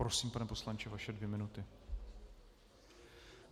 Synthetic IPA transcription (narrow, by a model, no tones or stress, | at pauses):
ɾosiːmpanɛpo̞slant͡ʃɪvaʃɛdvjɛmɪnut̪ɪ